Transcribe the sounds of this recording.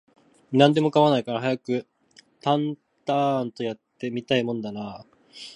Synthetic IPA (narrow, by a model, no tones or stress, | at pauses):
nãnd̪e̞mo̞kaβanaikaɾaɦajakɯ̟ | t̪ãn | t̪ant̪o̞jat̪ːe̞mʲit̪aimõ̞nod̪anaː